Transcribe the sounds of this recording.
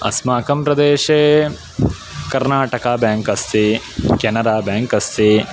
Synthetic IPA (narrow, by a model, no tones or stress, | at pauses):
ɐ̰smaːkɐmpɾɐd̪eːʃeː | kɐɾnaːʈɐkaːbjaːŋkɐst̪ʰi | kɐnɐɾaːbjaːŋkɐst̪ʰi